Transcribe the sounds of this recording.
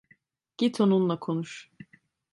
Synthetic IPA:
ɟ̥it̪ʰonunlˠakʰonuʃ

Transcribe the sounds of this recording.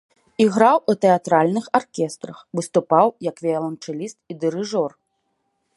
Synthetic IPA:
iɣɾawʔut̪ɛat̪ɾalʲnɨxarkʲɛst̪ɾɐxvɨst̪upawjɐkvʲialˠɐnt͡ʂɨlʲist̪̚id̪ɨɾɨʐɔr

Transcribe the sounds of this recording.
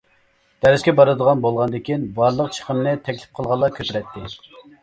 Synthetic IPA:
d̪̥ɛɾɪskʲɛbɑɾɨd̪əʁɑnbolˠʁɑnd̪ɪkʲinbɑɾlˠəq̚t͡ʃʰə̥qʰəmnɨt̪ʰɛkʲlɪ̥p̚qʰəlˠʁɑlˠːɑkʲʰøp̪ɪɾɛt̪ʰːɪ

